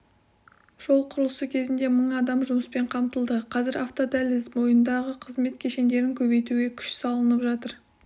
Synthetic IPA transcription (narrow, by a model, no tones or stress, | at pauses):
ʒ̥o̞lˠqʰʊɾəlˠəsəkʲʰe̞zɪnd̪e̞məɴɑd̪ɑmʒʊməspe̞ɴqʰɑmt̪əlˠd̪əqʰɑzɪɾaft̪od̪ælɪzmo̞jənd̪ɑʁəqʰəzme̞t̪kʲʰe̞ʃe̞nd̪e̞ɾɪŋkʲʰɵβe̞jt̪uɡʲe̞kʲʰʏ̥ʃsɑlˠənəpʒɑt̪əɾ